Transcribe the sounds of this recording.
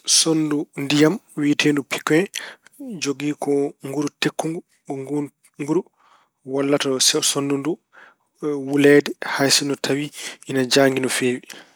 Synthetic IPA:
sondundijamwiːtʰendupi̥kːɛ | d͡ʒoɡiːkɔŋɡuɾutekːuŋɡu | ɔŋu | ŋɡuɾu | walːatɔsɛsondundu | wulɛːdɛhajsinɔtʰawiʔinad͡ʒaːŋɡinɔfeːwi

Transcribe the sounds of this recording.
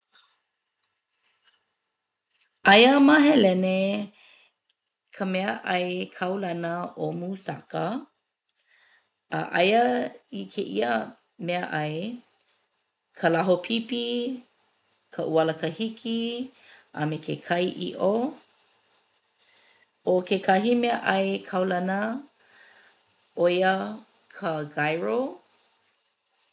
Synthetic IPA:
ʔajəmaɦelɛne | kʰəmɛəʔɐjkʰawlanəʔomusa̰kə | əʔɐjəikʰeʔḭə | meəʔɐj | kʰəlaɦopʰipi | kʰəʔuɐləkəhikʰi | ʔə̰mekekʰɐjʔḭʔo | okʰekʰɐɦimeəʔɐjkʰɐwlɐnə | ʔojə | kʰəɡajɹo

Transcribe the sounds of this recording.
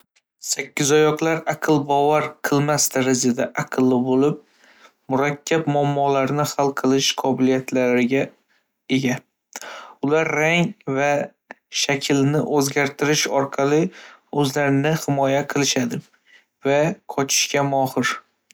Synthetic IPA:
sakʲːɪzɒjɒqlˠaɾɑqʰɨlˠbɒvaɾqʰɨlˠmasd̪aɾazad̪aʔaqʰɨlˠːɪbolɪp̚ | mʊɾakʲʰːabmʊamːɒlaɾnɪhalˠqʰɨlˠɪʃqʰɒbɪlijat̪ʰlaɾɪɡʲa | e̞ɡʲa | ʊlaɾːaŋva | ʃakʲʰɪlnɪʔɵzɡʲaɾt̪ʰɪɾɪʃɒɾqʰɑlɪɵzlaɾɪnɪhɪmɒjaqʰɨlˠɪʃad̪ɪ | vaqʰɒt͡ʃʰɪ̥ʃkʲamɒhɨɾ

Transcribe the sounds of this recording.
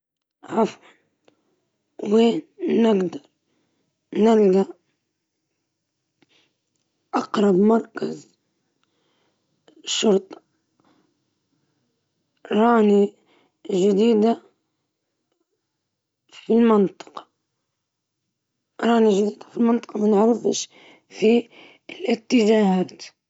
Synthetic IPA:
ʕɑfʕɑl | weːnːɪɡd̪ɑɾˤ | nɪlɡaʔ | ʔɑqɾˤɑbmɑɾˤkaz | ʃʊɾt̪ˤɑ̥ | ɾˤɑːni | ʒɪd̪iːd̪a | filmɪnt̪ˤɑ̥qɑ̥ | ɾˤɑːniʒd̪iːd̪afilmɪnt̪ˤɨ̥qɑmanʕɾɪfʃ | fi | lʔɪt̪ːɪʒaːhaːt̪

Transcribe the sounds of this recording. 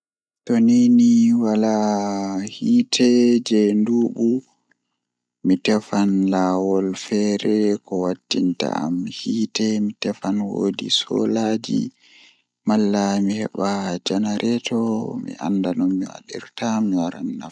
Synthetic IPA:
toniniwala | hitʰɛd͡ʒɛnduːɓu | mitɛfanlaːwɔlfɛɾɛkɔwatːinta̰amhiːtɛmitɛfanwoːdḭsɔ̰lad͡ʒḭ | malːamihɛɓad͡ʒanaɾʔɛtʰɔmḭʔa̰ndanɔmːiwa̰ɗḭɾtamiwaɾa̰nːaf

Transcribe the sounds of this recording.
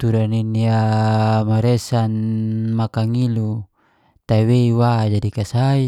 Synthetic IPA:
t̪uɾaniniamaɾesanmakaŋilu | t̪aweiwad͡ʒadikasai

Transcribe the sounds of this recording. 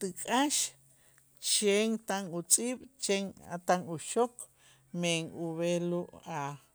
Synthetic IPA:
t̪ikʼaʃ | t͡ʃeŋt̪aŋut͡sʼiːɓ̥t͡ʃeŋa̰t̪aŋuʃok | meŋuβeluʔa

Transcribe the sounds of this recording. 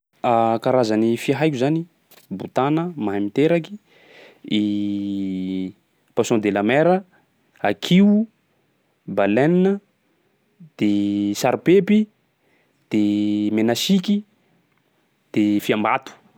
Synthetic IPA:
akaɾazanifiaɦajkʲuzani | but̪anəmaɦamit̪eɾaki̥ | i | pasɔ̃d̪elamɛɾə | akʰiu | balɛninə | d̪̥esaɾpepi | d̪̥emenasiki | d̪̥efiambat̪u̥

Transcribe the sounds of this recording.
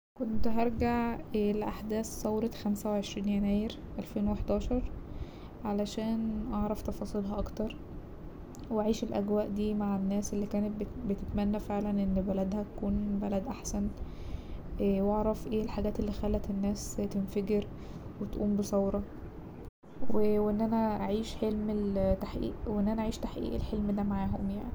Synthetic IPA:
kont̪ɦɑɾˤɡaʕlʔaħd̪æːsːɑwɾˤɑxæmsæweʕeʃɾiːnjænæːjeɾ | ʔælfeːnweeħd̪ɑːʃɑɾˤ | ʕalæʃæːnʔɑʕɾˤɑft̪ɑfɑːsˤiːlɦɑʔɑkt̪ɑɾˤ | wʔaʕiːʃelʔæ̰ɡwæːʔd̪iːmaʕenːæːselːiːkæːnet̪̚bet̪et̪mænːæfeʕlænʔenːbælæd̪hæt̪æ̥kuːnbælæd̪ʔaħsæn | æwʔɑʕɾˤɑfʔeːlħaɡæːt̪elːiːxælːæt̪enːæːst̪enfæɡeɾ | wet̪ʔṵːmbesˤɑwɾˤɑ | weweʔenːʔænæʔaʕiːʃħelmelt̪aħʔḭːʔweʔenːʔænæʔaʕiːʃt̪aħʔḭːʔḛlħelmd̪æmaʕaːɦomja̰ʕni

